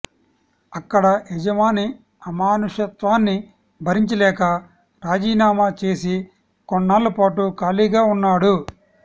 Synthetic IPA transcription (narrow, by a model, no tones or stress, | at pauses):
ɐkːɐɽɐɛd͡ʒɐmaːni | ɐmaːnuʂɐt̪ʋaːnːi | bʱɐɾiɲt͡ʃɐlɛːkɐ | ɾaːd͡ʒiːnaːmaːt͡ʃe̞ːsi | kɔɳːaːlːupaːʈukaːliːɡaːunːaːɽu